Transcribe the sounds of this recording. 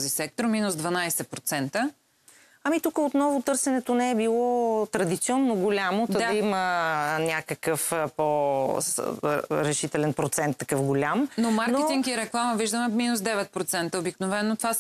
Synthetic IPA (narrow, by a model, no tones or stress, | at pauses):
zisɛk̚t̪ɾominʊsd̪vɐnajsɛpɾot̪sɛnt̪ə | ɐmit̪ukəot̪nɔvot̪ɤɾsɛnɛt̪onɛːbilˠɔt̪ɾɐd̪it̪siɔnːoɡolʲamotd̪əd̪imənʲakəkəfpo | ɾɛʃit̪ɛlɛnpɾot̪sɛnt̪ːɐkɤfɡolʲamnomaɾknoɛt̪iŋkiɾɛklˠamɐviʒd̪əmɛminusd̪ɛvɛt̪̚pɾot̪sɛnt̪əobiknovɛnːot̪va